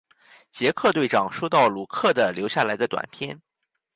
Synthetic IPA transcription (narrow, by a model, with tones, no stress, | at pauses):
t͡ɕjɛ˧˥kʰɤ˥˧t̪we˥˩ɪʈ͡ʂɑ˨˩ŋʂo˥ʊt̪ɑ˥˩ʊlu˨˩kʰɤ˥˩d̪ə˩ljo˧˥ʊɕja˥˩la˧˥ɪd̪ə˧t̪wa̰˨˩npʰjɛ˥n